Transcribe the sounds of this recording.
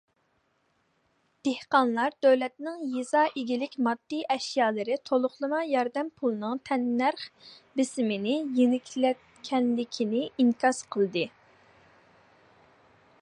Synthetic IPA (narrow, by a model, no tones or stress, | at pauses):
d̪̥ehqɑnlˠɑɾd̪̥øwlɛt̪nɪŋjezɑːʔeɡʲilɪkʲmɑd̪̥ːiʔɛʃjɑːlˠɨɾɪt̪ʰolˠʊχlˠɨmɑjɑɾd̪ɛmpʰulˠɨnɨŋt̪ʰɛnːæɾχ | bɪsmɪnɪjiŋɪkʲʰlɛt̪̚ | kʲʰːɛnlɪkʲʰinɪiŋkʰʲɑsqʰəlˠɨd̪ɨ